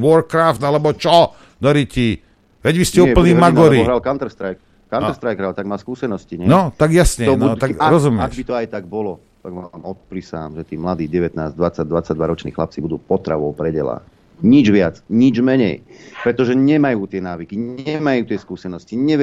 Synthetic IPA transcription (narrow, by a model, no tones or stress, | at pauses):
ʋɔɾkɾaːft̪alɛbɔt͡ʃɔ | d̪ɔɾici | ʋɛɟʋiscɛuːpl̩niːmaɡɔɾiɔɦɾalkant̪ɾst̪ɾajk | kanɾst̪ɾajkɾaːlt̪aɡmaːskuːsɛnɔsciɲɛnɔt̪aɡjasɲɛɔnuɔt̪aɾɔzumɪaɡʃbit̪ɔajt̪aɡ̚bɔlɔ | t̪aɡʋamɔt̪̚pɾisa̰ːmʒɛt̪iːmlad̪iːɟɛʋɛt̪naːzd̪ʋat͡saɟ̚d̪ʋat͡saɟ̚d̪ʋaɾɔt͡ʃnḭːxla̰p̚t͡sibud̪uːpɔt̪ɾa̰ʋɔʊpɾɛɟɛ̰la̰ː | ɲid͡ʒʋɪat͡sɲid͡ʒmɛɲɛ̰jpɾɛt̪ɔʒɛɲɛmajuːt̪ɪɛnaːʋikiɲɛmajuːt̪ɪɛskuːsɛnɔsciɲɛ